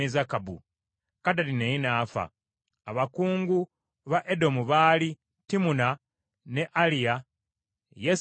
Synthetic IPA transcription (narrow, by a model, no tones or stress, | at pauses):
ezakabṵ | kadalinejinaːfa̰ː | βakuːŋɡu | βaʔe̞do̞muβaːli | timuna | ne̞ʔalija | je